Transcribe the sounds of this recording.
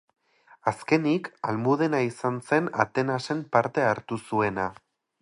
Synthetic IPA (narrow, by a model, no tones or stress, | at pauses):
aske̞nikalmuð̞e̞naisanse̞na̰t̪e̞nase̞mpaɾt̪e̞aɾt̪usue̞na